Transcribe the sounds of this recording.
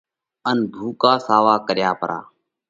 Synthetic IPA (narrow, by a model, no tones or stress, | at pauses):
ənbʱuːkaːsaːʋaːkəɾjaːpəɾa̰ː